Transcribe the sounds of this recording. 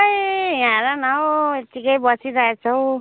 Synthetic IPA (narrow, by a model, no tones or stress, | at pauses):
jjãɾanawet̪ikʌjbʌsiɾaɦet͡sʰʌw̃